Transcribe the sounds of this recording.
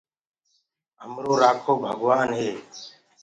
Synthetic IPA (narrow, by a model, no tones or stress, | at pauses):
əmɾoːɾaːkʰoːbʱəɡʋaːnɦeː